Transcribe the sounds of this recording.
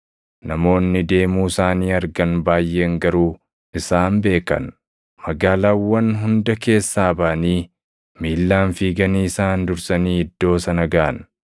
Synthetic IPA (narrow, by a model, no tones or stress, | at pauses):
nɐmo̞ːnːɪd̪e̞ːmuːɪsaːniːɐɾɡɐnbaːjːe̞ːŋɡɐɾuː | ʔɪsaːmbe̞ːkɐ̰n | mɐɡaːlaːwːɐnɦʊnd̪ɐke̞ːsːaːbaːɐniː | miːlːaːnfiːɡɐniːɪsaːnd̪ʊɾsɐniːɪd̪ːo̞ːsɐnɐɡaːɐn